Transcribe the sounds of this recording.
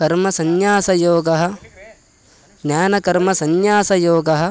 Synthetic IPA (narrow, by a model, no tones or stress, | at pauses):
ɐɾmɐsɐnjaːsɐjoːɡɐɦɐ̆ | ɡnʲaːnɐkɐɾmɐsɐnjaːsɐjoːɡɐɦɐ̆